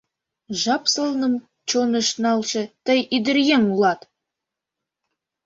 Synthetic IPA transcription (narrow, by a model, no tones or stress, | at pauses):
ʒɑpsɤ̆lˠnɤ̆m | t͡ɕonə̆ʃnɑlˠʃɤ̆t̪əjid̪ɘ̆ɾjʲeŋulˠɑt̪